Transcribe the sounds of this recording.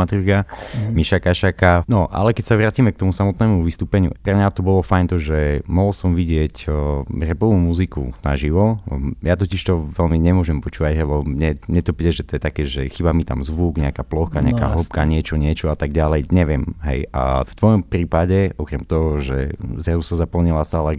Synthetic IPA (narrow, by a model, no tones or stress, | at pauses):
at̪ɾikamiʃakaʃakanɔʔa̰lɛkɛcsaʋɾaːcimɛk̚t̪ɔmusamɔt̪nɛːmuʋist̪uːpɛɲɪṵʔpɾɛmɲat̪ɔbɔlɔfajnt̪ɔʒɛmɔɦlsɔmʋiɟɪɛcrɛpɔʋumuzikṵna̰ʒiʋɔjat̪ɔciʃt̪ɔʋɛlmiɲɛmʊɔʒɛmpɔt͡ʃuːʋaɟɦɛlɛɲɛɲɛt̪ɔpid̪ɛʒɛt̪ɔjɛt̪akɛːʒɛxibamit̪a̰mzʋuɡɲɛakaːplɔxkaɲɛ̰aaka̰ɦɔp̚kaɲɪɛt͡ʃɔɲɪɛt͡ʃɔat̪aɡɟalɛjɲɛʋɪɛmɦɛ̰ja̰ft̪ʋɔjɔmpɾiːpaɟɛɔkɾɛmt̪ɔɦɔʒɛ̰zɾazusazapl̩ɲilasala